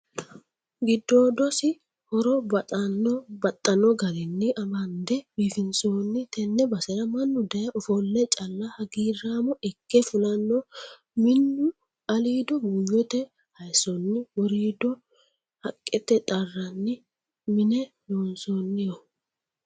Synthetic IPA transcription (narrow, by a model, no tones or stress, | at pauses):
ɡɪd̪ːoːd̪ɔsɪ | hɔɾɔbɐt̪ʼɐnːɔbɐt̪ʼːɐnɔɡɐɾɪnːɪʔɐmɐnd̪ɛbiːfɪnsoːnːɪt̪ɛnːɛbɐsɛɾɐmɐnːʊd̪ɐjɐʔɔfɔlːɛt͡ʃʼɐlːɐhɐɡiːraːmɔɛkːɛfʊlɐnːɔ | mɪnːʊ | ɐliːd̪ɔmʊjːɔt̪ɛ | hɐjsɔnːɪwɔɾiːd̪ɔ | hɐkʼːɛt̪ːɛt̪ʼɐrːɐnːɪ | mɪnɛ | loːnsonːɪjɔ